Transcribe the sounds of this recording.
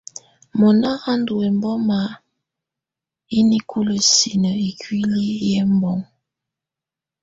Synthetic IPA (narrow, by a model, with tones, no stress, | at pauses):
mɔ˨na˦ɣa˦ndu˨ɛ˨mbɔ˦ma˨˦ | i˦ni˦kʰu˦lə˨si˨nə˨i˨kwi˦li˦jɛ˦mbɔ˨˦ŋ